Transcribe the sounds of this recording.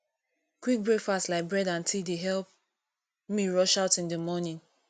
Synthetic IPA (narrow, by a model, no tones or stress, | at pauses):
kwik̚bɹekfastlaɪk̚bɹɛdãntʰildeɦɛlˠp̚ | miɹɔʃaʊtĩndəmɔnĩn